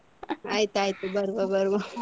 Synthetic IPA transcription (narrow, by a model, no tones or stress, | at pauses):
ajt̪ajt̪ebəɾobəɾbəɾobəɾ